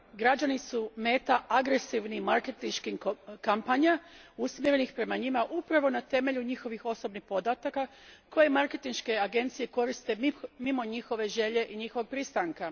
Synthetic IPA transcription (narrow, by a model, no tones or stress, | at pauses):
ɡɾad͡ʒanisume̞ːt̪aʔaɡɾe̞siʋnimaɾke̞t̪inʃkimkampaɲausmjeɾe̞nixpɾe̞maɲimaʔupɾaʋo̞nat̪e̞me̞ʎuɲixo̞ʋixo̞so̞bnixpo̞d̪at̪aka | ko̞jemaɾke̞t̪inʃke̞aɡe̞nt̪sije̞ko̞ɾist̪e̞mimo̞ɲixo̞ʋe̞ʒe̞ʎe̞ʔiɲixoʋo̞ɡ̚pɾist̪aŋka